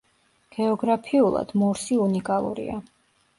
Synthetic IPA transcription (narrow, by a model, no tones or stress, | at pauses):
ɡ̥ɛɔɡɾapʰiulˠa̰d̪̥mɔɾsiunikʼalˠṵɾḭa